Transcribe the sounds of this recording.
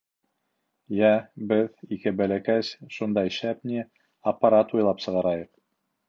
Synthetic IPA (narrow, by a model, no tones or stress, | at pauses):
jæbɘðikɘbælækæsʃund̪ɑjʃæpnʲi | ɐpːɑɾɑt̪ujlˠɑpsɤ̆ʁɑɾɑjɤq